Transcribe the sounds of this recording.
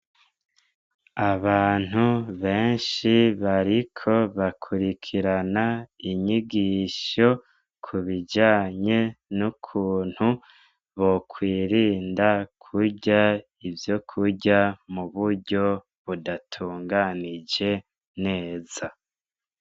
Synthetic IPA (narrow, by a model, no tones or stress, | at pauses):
aβaːn̥huβe̞ːnʃiβaɾikʰo̞βakʰuɾikʰiɾanaiɲiɡiʃo̞ | kʰuβid͡ʒaːɲe̞nukʰuːn̥hu | βo̞kʰwiːɾiːndakʰuɾɟa | ivjo̞kʰuɾɟamuβuɾɟo̞ | βudatʰuːŋɡanid͡ʒe̞ | ne̞ːz̥a